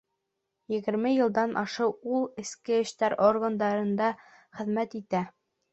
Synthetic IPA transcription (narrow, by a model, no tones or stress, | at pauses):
jɘ̆ɡɘ̆ɾmɘjɤ̆lˠd̪ɑnʔɑʃɤwulˠɘ̆skɘɘ̆ʃt̪æɾorɡand̪ɑɾɤ̆nd̪ɑ | χɘ̆ðmæt̪it̪æ